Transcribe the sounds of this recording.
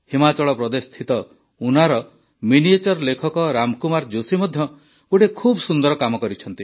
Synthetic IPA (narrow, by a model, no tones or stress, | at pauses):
himat͡ʃɔɭɔpɾɔd̪est̪ʰit̪ɔ | unaɾɔ | miniet͡ʃɔɾɔlekʰɔkɔɾamkumaɾd͡ʒosimɔd̪ʱjɔ | ɡoʈekʰubɔsund̪ɔɾɔkamɔkɔɾit͡ʃʰɔnt̪i